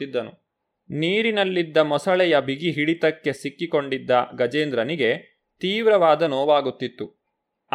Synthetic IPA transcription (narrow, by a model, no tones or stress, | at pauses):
id̪ːɐnu | niːɾinɐlːid̪ːɐmɔsɐɭɛjɐbʱiɡiɦiɽit̪ɐkːe̞sikːiko̞ɳɖid̪ːɐɡɐd͡ʒeːnd̪ɾɐniɡe̞ | t̪iːʋɾɐʋaːd̪ɐnoːʋaːɡut̪ːit̪ːu